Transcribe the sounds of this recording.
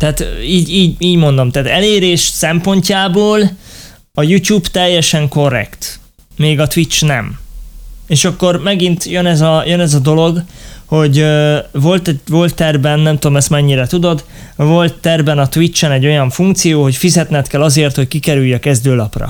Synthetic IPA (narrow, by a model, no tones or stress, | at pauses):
t̪ɛaːt̪iːɟiːɟiːɟmo̞nd̪o̞mt̪ɛːt̪ɛleːɾeːʃsɛmpo̞ɲcaːboːl | ɒjucuːbt̪ɛjːɛʃɛŋko̞rːɛ̰kt̪ | meːɡɒt̪ʋit͡ʃnɛ̰m | eːʃɒkːo̞rmɛɡint̪jønɛzɒjønɛzɒd̪o̞lo̞ɡho̞ɟvo̞lt̪ɛvo̞lt̪ːɛrbɛnːɛmt̪ud̪omɛst̪mɛɲːiɾɛt̪ud̪o̞d̪ | vo̞lt̪ːɛrbɛnɒt̪ʋit͡ʃːɛnɛɟːo̞jɒɱfuŋk̚t̪sijoːho̞cfizɛt̪nɛt̪kɛlɒzeːrt̪ho̞ckikɛɾyjːɒkɛzd̪øːlɒprɒ̰